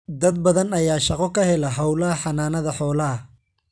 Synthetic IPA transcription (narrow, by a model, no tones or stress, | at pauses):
d̪ɐd̪̚bɐðɐnɐjaːʃɑqɔkʰɐhɛlɐɦɐwlɐɦɐħɑnaːnɐðɐħɔːlɐɐ